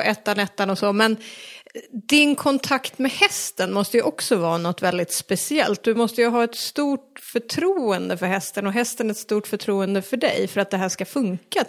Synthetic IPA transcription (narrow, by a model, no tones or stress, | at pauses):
ʔɛːt̪ːanɛt̪ːanɔsɔmɛn | d̪ɪnkʰɔnt̪ʰakt̪mɛhɛst̪ənmɔst̪əjɵʔɔksɔvɑːnɔt̪ːvɛld̪ɪt̪spɛsɪɛ̰lt̪̚d̪ɵmɔst̪əjɵɦɑːɛt̪st̪uːʈ̚fœʈʰɾuːənd̪əfœɾhɛst̪ənɔɦɛst̪ənæɾɛt̪st̪uːʈfœʈʰɾuːənd̪əfœɖɛ̰jfœɾat̪̚d̪ɛɦæːʂkafɵŋka